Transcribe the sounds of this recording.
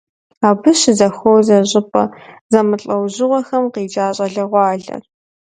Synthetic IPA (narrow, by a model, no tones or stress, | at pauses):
aːbɨɕɪzɐxowzɐɕʼɪpʼɐ̰zɐmɨɬʼɐwʑɪʁʷɔxɐmqiːd͡ʒaːɕʼɐɮɐʁʷɑːɮɐ̰r